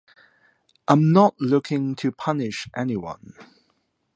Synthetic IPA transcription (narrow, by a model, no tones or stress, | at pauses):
ʔãɪ̃mnəʔlʊkʰɪ̃ŋtʰɨpʰʌnɪʃʔɛniwʌ̰̃n